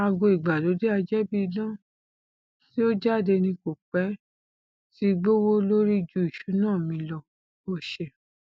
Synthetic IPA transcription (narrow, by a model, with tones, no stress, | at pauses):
a˧ɡo˧i˨ɡ͡ba˨lo˨˦de˦a˧d͡ʒɛ˦bi˦i˧lɔ̃˦˨ | ti˦o˦d͡ʒa˦˨de˧nĩ˧ko˨k͡pɛ˨˦ | ti˦ɡ͡bo˦wo˦lo˦ɾi˦˨d͡ʒu˦i˨ʃu˨˦nãː˦˨mĩ˧lɔ˧ | o˦ʃɛ˧˨